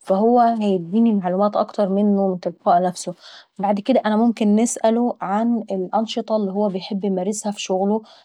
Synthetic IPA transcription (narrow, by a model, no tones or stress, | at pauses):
fæhowːæhæjed̪̚d̪iːnilmaʕluːmæːt̪ʔɑ̰kt̪ɑɾˤmenːoment̪elfɑːʔnæfsobaʕd̪ked̪æʔænæmomkenːesʔæloʕanelʔɑnʃet̪ˤɑlːiɦowːæbejħebːjemæɾɪshæfi̥ʃoɣlo